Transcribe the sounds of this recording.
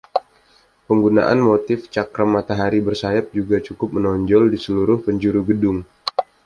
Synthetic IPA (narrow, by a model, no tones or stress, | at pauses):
pəŋɡuna̰ʔa̰nmot̪ɪft͡ʃakɾamːat̪aɦaɾibərsajap̚d͡ʒuɡat͡ʃukʊp̚mənɔɲd͡ʒɔldisəluɾʊhpəɲd͡ʒuɾuɡədʊŋ